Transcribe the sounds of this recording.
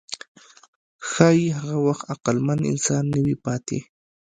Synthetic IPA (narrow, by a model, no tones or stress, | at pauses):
xajɦɢɑwɑχɑqɑlmanɪ̰nsaːnːɪwɪpaːt̪ḭ